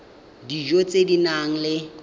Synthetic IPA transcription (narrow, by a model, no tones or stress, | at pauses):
did͡ʒot͡sʼedinaŋ̩lɪ